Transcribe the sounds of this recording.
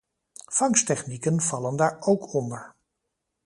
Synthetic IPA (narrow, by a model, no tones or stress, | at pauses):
fɑŋstɛχnikənv̥ɑləndaːɹowkʰɔndəɹ